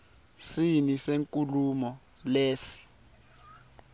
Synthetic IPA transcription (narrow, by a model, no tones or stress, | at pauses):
siniseŋkʼulumɔ | leːsi̥